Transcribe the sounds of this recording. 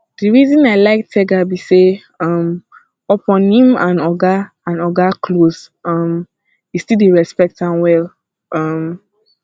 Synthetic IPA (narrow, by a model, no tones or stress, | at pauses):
d̥iɹizĩnaɪlaɪk̚tʰɛɡabise | ɔm | ɔpʰɔ̃nhĩmãnɔɡa | ãnɔɡakʰlos | ɔm | istildiɹɛspɛk̚tãnwɛl | ʔɔm